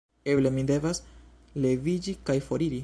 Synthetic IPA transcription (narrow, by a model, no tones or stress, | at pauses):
e̞ble̞mide̞vas | le̞vid͡ʒikajfo̞ɾiɾi